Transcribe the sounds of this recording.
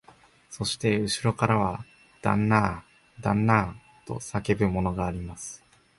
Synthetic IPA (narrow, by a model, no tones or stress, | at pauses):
so̞ɕi̥t̪e̞ɯ̟ɕiɾo̞kaɾaβ̞a | d̪̥ã̰nːaː | d̪ã̰nːaː | t̪o̞̰sake̞bɯ̟mo̞no̞ɡaːɾʲimasɨ̥